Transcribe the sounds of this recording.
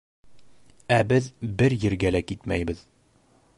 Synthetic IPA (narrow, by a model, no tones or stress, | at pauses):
æbɘðbɘɾjɘ̆ɾɡælækit̪mæ̰jbɘð